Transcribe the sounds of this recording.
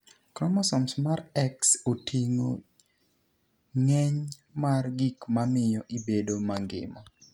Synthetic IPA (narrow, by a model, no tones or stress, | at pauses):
kɾɔmasɔmsmaɾɛksotʰiŋo̰ | ŋɛɲ | marɡikmamɪjɔʔibedomaŋɡɪ̰ma